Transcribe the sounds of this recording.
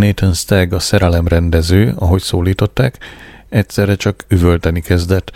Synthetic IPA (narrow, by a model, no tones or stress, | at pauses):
neːt̪onst̪ɛɡɒsɛɾɛlɛmrɛnd̪ɛzøːɒɦo̞csoːliːt̪o̞t̪ːaːkɛcsɛrɛt͡ʃɒkyvø̞lt̪ɛnikɛzd̪ɛt̪ː